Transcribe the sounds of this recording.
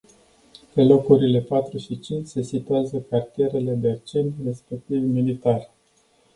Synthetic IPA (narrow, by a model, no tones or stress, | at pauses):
pe̞lo̞kuɾile̞pat̪ɾuʃit͡ʃint͡ʃse̞sit̪uazəkart̪je̞ɾe̞le̞d̪eart͡ʃe̞nt̪re̞spek̚t̪ivmilit̪ar